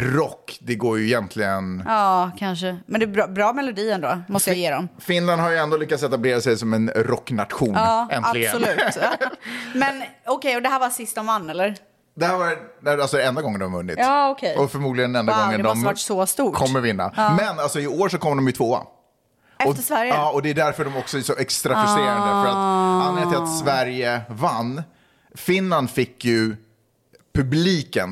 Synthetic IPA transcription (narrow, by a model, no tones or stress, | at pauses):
ɾɔkːd̪ɛɡoːjɵɪjɛnt̪ʰlɪɡənɑːkʰanʂəmɛnd̪ɛbɾbɾɑːmɛlʊd̪iːɛnd̪oːmɔst̪əɪjeːɾɔmfɪnland̪ɦaɾjɵɛnd̪oːlʏkːat̪sɛt̪ableːɾasɛjsɔmɛnɾɔkːnat̪ɧuːnɑːɛnalɪsɔlʉ̟ːt̪ | mɛnɔkʰɛjɔd̪ɛɦæːɾvasɪst̪ɔmvanːɛlːəɾ | d̪ɛhæːɾvaɾnæalsɔdɛnd̪aɡɔŋːənd̪ɔmvɵnːɪ̰t̪ɑːɔkʰejɔfœɾmuːd̪lɪɡənɛnd̪aɡɔŋːənd̪maʈsɔst̪uːkʰɔmːəɾvɪnːa̰mɛnːalsɔɪoːɾʂɔkʰɔmːd̪ɔmjɵt̪ʰvoːa̰ | ɛɔsvæɾjɑːɔd̪ɛʉd̪æɾfœɖɔmɔksɔɛsɔʔɛkst̪ɾafɪseːɾand̪ɾəfœɾat̪anɪŋtt̪ɪlat̪svæɾjəvanː | fɪnland̪fɪkːjɵ | pʰɵbliːkən